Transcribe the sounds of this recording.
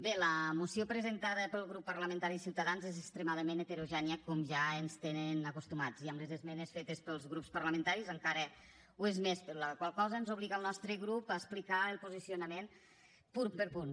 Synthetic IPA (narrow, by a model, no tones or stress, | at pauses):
beləmusiopɾəzent̪aðəpəlˠɣɾupːəɾləmẽənt̪aɾiːsiwt̪əðanzezest̪ɾemaðəmenet̪eɾoʒɛniəkɔmʒaenst̪enenəkust̪umad͡ziəmləzezmɛnesfet̪espəlˠzɣɾupspəɾləmẽnt̪aɾizəŋkaɾə | uezmespəɾɔləkwalˠkɔzənzuβliɣəlˠnɔst̪ɾəɣɾupaesplikaəlˠpuzisiunəmen | punpəɾpun